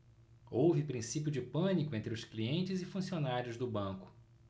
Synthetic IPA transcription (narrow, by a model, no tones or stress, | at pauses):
owvɪpɾĩsipjʊd͡ʒɪpɐ̃nikʊẽnt̪ɾʊskliẽnt͡ʃɪzɪfũsionaɾjʊzd̪ʊbɐ̃kʊ̥